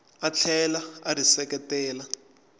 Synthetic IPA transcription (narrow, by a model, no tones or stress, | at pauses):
at͡ɬʰɛlaarisɛkɛtɛːla